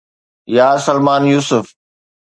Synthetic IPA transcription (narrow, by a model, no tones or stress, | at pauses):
jaːsɐlmaːnjuːsʊf